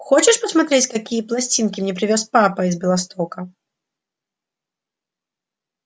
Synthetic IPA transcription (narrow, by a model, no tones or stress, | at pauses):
xɔt͡ʃɛʂpɐsmat̪ɾʲɛt͡sʲkakʲijɐplˠasʲt͡sʲinkʲimnʲɛpɾɨvʲɔspapɐizbʲɛlˠast̪ɔkɐ